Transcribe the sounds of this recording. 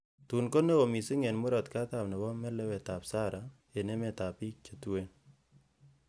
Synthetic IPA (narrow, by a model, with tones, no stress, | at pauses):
tu˨nko˦ne˦o˨mi˨si˦ŋe˨nmu˦ɾɔ˨tka˦t̪a˨pnɛ˨bɔ˦mɛ˦lɛ˦wɛ˨ta˨psa˦ɾa˨ | e˨ne˦me˨ta˨pi˦t͡ʃe˨tu˦we˦n